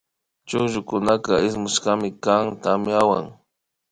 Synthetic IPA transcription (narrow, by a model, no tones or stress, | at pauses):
t͡ʃʊʒʊkʊnakaɪsmʊʃkamɪkaŋt̪amɪawa̰ŋ